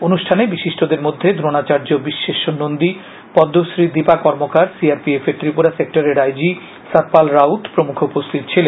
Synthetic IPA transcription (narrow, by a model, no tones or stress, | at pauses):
onuʃʈʰanebiʃiʃʈʰod̪eɾmod̪ʱːed̪ʱɾonat͡ɕaɾd͡ʑobiʃːeʃonond̪i | pɔd̪ːoʃɾid̪ipakɔɾmokaɾsiaɾpiefeɾt̪ɾipuɾasek̚ʈaɾeɾajd͡ʑi | sat̪̚palɾaut̪pɾomukʰoupost̪ʰit̪o̥t͡ɕʰilen